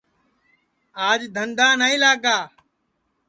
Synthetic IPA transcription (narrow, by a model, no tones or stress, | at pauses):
aːd͡ʒd̪ʱənd̪aːnaĩːlaːɡaː